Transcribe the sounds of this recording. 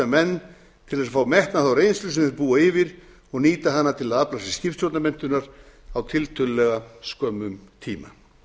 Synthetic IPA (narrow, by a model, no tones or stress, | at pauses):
amɛnː | t̪ʰɪlθɛsafaːwmɛht̪naθawrejnslʏs̬ɪnɾpuːaɪvɪɾ̥ | ɔɣniːt̪aɦanːat̪ʰɪlaðaplasɪscɪft̪sjɔwt̪namɛn̥t̪ʏnaɾ̥ | awt̪ʰɪlt̪ʰʏllɛɣaskœːmʏmt̪ʰiːma̰